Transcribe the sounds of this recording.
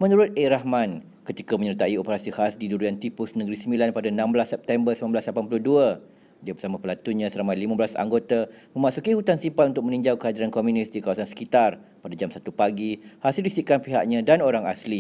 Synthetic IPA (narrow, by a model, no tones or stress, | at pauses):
mə̃nuɾʊt̪̚eɾahmãn | kət̪ikamə̃ɲərt̪aiopəɾasihasdiduɾiant̪ipʊsnəɡɾisəmbilanpadaənãmblasːɛp̚t̪ɛmbərsəmamblaslapanpuluduə | diabərsamãpəlat̪uɲãsəlamajlimabəlasa̰ŋɡot̪amə̃masukihut̪ansimpat̪unt̪ʊk̚mənĩɲd͡ʒawkəɦadiɾankomjunɪsdikawasansə̥kit̪ar | padad͡ʒamsat̪upaɡihasildisiʔkanpiɦaʔɲãdanoɾaŋa̰sli